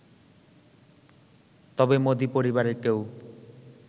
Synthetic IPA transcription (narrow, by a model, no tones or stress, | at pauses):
t̪ɔbemod̪ipoɾibaɾekew